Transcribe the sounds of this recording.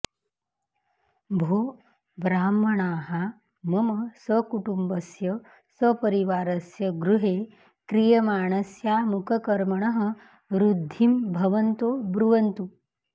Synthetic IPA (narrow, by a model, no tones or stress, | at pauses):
bʱoː | bɾaːmːɐɳaːɦa | mɐmɐsɐkuʈumbɐsjɐ | səpɐɾiʋaːɾɐsjɐɡɾuɦeː | kɾijɐmaːɳɐsjaːmukʰɐkɐɾmɐɳɐɦɐ̆ | ɾud̪ʱːimbʱɐʋɐnt̪oːbɾuʋɐnt̪u